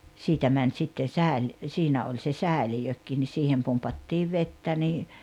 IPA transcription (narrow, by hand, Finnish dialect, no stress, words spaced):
siːtæ mænʲ sitːen sæˑel siːnæ olʲ se sæˑelijøkːiː ni siːhem pumpɑtːiːʋ ʋetːæ niː